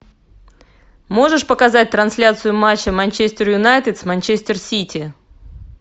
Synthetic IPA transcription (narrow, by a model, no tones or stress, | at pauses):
mo̞ʐɨʂpəkɐzat̚ʲt̪ɾɐnsʲlʲat̪sɨjʊmat͡ɕːəmɐnʲt͡ɕesʲt̪ʲɪrjʊnajt̪ʲɪt̪smɐnʲt͡ɕesʲtʲɪrsʲitʲɪ